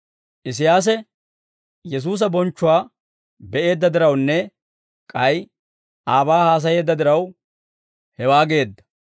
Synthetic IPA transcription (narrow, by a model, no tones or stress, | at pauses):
ʔɪs̬ɪjaːs̬ɛ | jɛs̬uːs̬ɐbɔnt͡ʃːʊwaː | bɛʔe̞ːd̪ːɐd̪ɪɾɐwnːɛ | kʼɐj | ʔaːbaːhaːs̬ɐje̞ːd̪ːɐd̪ɪɾɐw | hɛwaːɡe̞ːd̪ːɐ̥